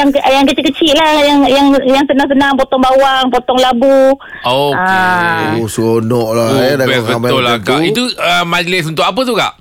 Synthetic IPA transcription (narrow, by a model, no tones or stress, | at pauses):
jaŋjaŋkət͡ʃiʔkːət͡ʃiʔ̪̚lajaŋjaŋjaŋsənaŋs̬ənãŋpɔt̪ɔŋbawaŋpɔt̪ɔŋlabu | oa | usuonɔʔladaɛsbəmaʊlakaʔit̪uəmaɡlɪs̬unt̪ʊʔkap̬ət̪̬uka̰ʔ